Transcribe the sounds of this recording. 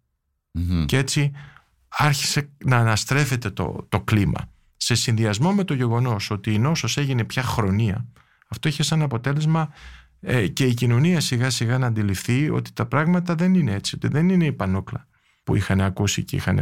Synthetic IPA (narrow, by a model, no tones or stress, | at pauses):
cee̞t͡si | ɐɾçi̥se̞nɐːnɐst̪ɾe̞fe̞t̪e̞t̪o̰t̪o̞klimɐ̰ | se̞sinðiɐzmo̞me̞t̪o̞ʝe̞ɣo̞no̞so̞t̪iːno̞sose̞ʝine̞pçɐxɾo̞niɐ̰ | ɐft̪o̞içe̞sɐnɐpo̞t̪e̞le̞zmɐ | ece̞icino̞niɐsiɣɐsiɣɐnɐːnd̪ilifθio̰t̪i̥t̪ɐpɾɐɣmɐt̪ɐðe̞ninee̞t͡sio̞t̪iðe̞nine̞ipɐnoklɐ | pṵixɐne̞ɐkusḭceḭxɐnḛ